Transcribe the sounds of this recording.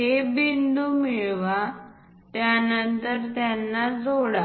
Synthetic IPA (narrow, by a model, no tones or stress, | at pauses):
ɦebind̪uːmiɭʋa | t̪janənt̪əɾt̪janːad͡zoɽa